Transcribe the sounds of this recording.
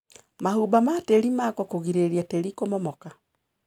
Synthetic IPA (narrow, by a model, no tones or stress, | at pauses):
mahubamateɾimakɔkoɣiɾeɾiateɾikomɔmɔka